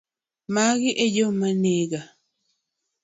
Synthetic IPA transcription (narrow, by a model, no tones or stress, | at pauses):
maɣiʔejomaneɡa